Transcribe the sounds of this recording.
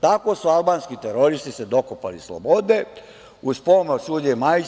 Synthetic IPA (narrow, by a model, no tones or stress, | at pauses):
t̪ako̞sualbaːnskit̪eɾoɾist̪ised̪o̞kopa̰lḭslo̰bod̪e̞ | uzpomosuːdɲemaj